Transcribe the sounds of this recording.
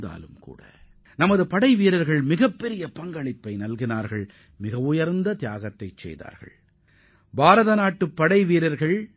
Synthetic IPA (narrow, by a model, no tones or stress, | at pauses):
d̪a̰ːlɯmkṵːɽɐ̰ | nɐmɐðɯpɐɽɐɪʋiːɾɐɾɣɐɭmɪɣɐpːɛɾɪjɐpɐŋɡɐɭɪpːɐɪnɐlɣɪnaːɾɣɐɭ | mɪɣɐʋʊjɐɾnd̪ɐt̪ɪjaːɣɐt̪ːɐɪt͡ʃːɛ̰jða̰ːɾɣɐ̰ɭ | bʱaːɾɐðɐnaːʈːɯpːɐɽɐɪʋiːɾɐɾɣɐɭ